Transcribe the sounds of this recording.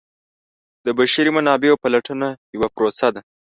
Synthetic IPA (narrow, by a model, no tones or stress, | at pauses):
d̪əbaʃiɾimanɑbeopalaʈənajawapɾosad̪a